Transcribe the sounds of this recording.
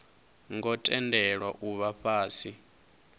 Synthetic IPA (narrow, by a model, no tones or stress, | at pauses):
ŋɡɔtʼɛndʱɛɺwaʔuβaɸaːsi